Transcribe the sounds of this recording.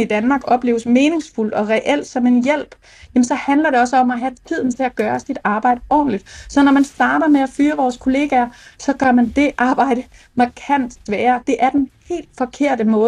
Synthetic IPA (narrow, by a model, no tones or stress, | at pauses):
id̥ænmɑ̈ɡ̥ɒ̽b̥le̝ːʊəsme̝ːne̝ŋsful̰d̥ɒ̽ʁɛʔel̰d̥sɒ̽me̝njel̰b̥ | jæmənsɒ̽hændlɐɾe̝ɒ̽səɒ̽mæɦæt͡sʰið̞̰ˠn̩t͡sʰe̝læɡ̥ɶːɐsid̥ɑ̈ːb̥ɑ̈ɪ̰d̥əɒ̰ːn̩lid̥sɒ̽nɒmænsd̥ɑ̈ːɾ̥ɐmeæfyːɐʋɒːskʰo̝le̝ːɡ̥æɐsɒ̽ɡ̥ɶɐmænd̥e̝ʔɑ̈ːb̥ɑ̈ɪ̰ɾ̥ə | mɑ̈kʰæn̰sʋɛːɐd̥e̝ʔæɐd̥enhe̝̰ːld̥fɒ̽kʰe̝ɐ̰d̥əmɔ̽ː